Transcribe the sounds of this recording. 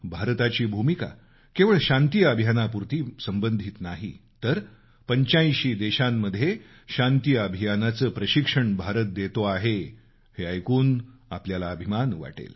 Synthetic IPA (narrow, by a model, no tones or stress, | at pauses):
bʱaɾt̪at͡ɕiːbʱumika̰ | keʋəɭɕãnt̪ijəəbʱjanapuɾt̪iːsəmbənd̪ʱit̪naɦḭt̪əɾ | pəɲt͡ɕajɕiːd̪eɕamːəd̪ʱːje | ɕant̪ijəəbʱijanat͡səːpɾəɕikʂəɳbʱaɾət̪̚d̪et̪oaɦe | heəjkuːna̰pljalaəbʱimanʋa̰ʈḛl